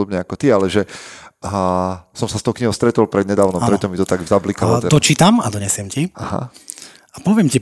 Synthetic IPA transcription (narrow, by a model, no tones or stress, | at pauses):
ɔbɲɛakɔt̪ialɛʒɛ | sɔmsast̪ɔʊkɲiɦɔʊst̪ɾɛt̪ɔlpɾɛd̪ɲɛd̪aːʋnɔmpɾɛt̪ːɔmit̪ɔt̪aɡzablikalɔt̪ɛd̪ɔt͡ʃit̪ama̰d̪ɔɲɛsɪɛmciaɦa̰ | apɔʋɪɛmci